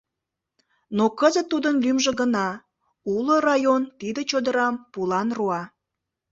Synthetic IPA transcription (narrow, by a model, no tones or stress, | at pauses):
nokəzət̪ːud̪ənlymʒĕɡənɑ | ulorɑjont̪id̪ət͡ɕod̪əɾɑmpulɑnruɑ